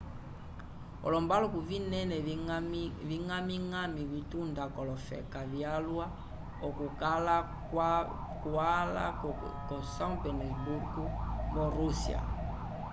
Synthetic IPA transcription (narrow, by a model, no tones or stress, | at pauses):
ɔ̰lɔmbalɔkuvinɛnɛ | viŋamiŋamivitundakɔlɔfɛ̰kavjalwa | ɔkukala | kuala̰kɔsaŋpɛnɔibukubɔɾusḭa̰